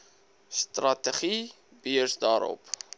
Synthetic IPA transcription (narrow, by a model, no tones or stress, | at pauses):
stratəχi | b̥iərsdɑːɾɔ̰p